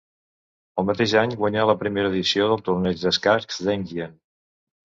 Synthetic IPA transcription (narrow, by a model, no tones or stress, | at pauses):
əlˠmət̪eʒaɲɡwəɲaləpɾimeɾəðisioðəlˠt̪urnɛʒd̪əskaɾkzd̪ɛŋʒiən